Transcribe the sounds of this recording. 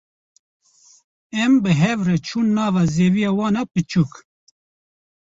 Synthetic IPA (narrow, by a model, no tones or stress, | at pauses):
ɛmbɨɦɛvrɛt͡ʃʰuːnːɑːvazeːvijɑːwɑːnapɨt͡ʃʰuk